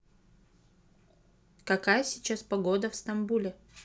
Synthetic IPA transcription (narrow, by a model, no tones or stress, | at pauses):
kɐkajəsʲɪt͡ɕaspɐɡo̞d̪əfst̪ɐmbulʲɪ